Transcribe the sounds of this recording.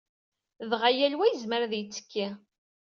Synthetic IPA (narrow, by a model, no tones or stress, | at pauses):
ðʁajælwæjəzməɾðjət͡sːə̥kːi